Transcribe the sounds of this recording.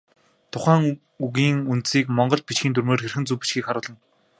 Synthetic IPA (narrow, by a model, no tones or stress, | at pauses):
t̪ʰʊχæːŋ | uɣiːŋunt̪siːkmɔɴɢɞ̆ɮt̪̚pit͡ɕxiːnt̪̬ʰurmeːrxerxɘ̆nt͡suːpi̥t͡ɕxiːkχaɾʊːɮə̆n